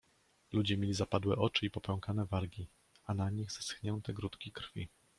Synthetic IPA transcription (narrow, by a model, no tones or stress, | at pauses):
lud͡ʑɛmʲjelʲizapad̪wɛʔɔt͡ʂɘipɔpɛwkanɛvaɾɡʲi | anaɲiɣzɛsxɲɛnt̪ɛɡɾut̪kʲikɾfʲi